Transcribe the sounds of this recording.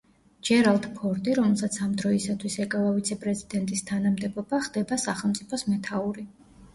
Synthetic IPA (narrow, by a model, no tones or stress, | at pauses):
d͡ʒɛɾalˠt̪ʰpʰɔɾd̪ʼiɾɔmɛlˠsat̪sʰamd̪ɾɔisat̪ʰwisɛkʼalˠavit̪sʰɛpʼɾɛzid̪ɛnt̪ʼist̪ʰanamd̪ɛbɔbaχd̪ɛbasaχɛlˠmt̪sʼipʰɔsmɛt̪ʰauɾi